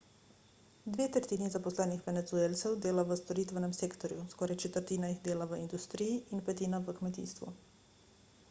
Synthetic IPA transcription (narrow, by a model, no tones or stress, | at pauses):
d̪ʋeːt̪əɾt̪iːnizapɔslɛːnixʋɛnɛt̪zueːlt̪sɛwd̪eːlaʋəst̪ɔɾiːt̪ʋɛnɛmseːkt̪ɔɾjuskɔɾajt͡ʃɛt̪əɾt̪iːnaiɣd̪eːlaʋəind̪ust̪ɾiːjiʔinpɛt̪iːnaʋəkmɛt̪ḭːst̪ʋṵ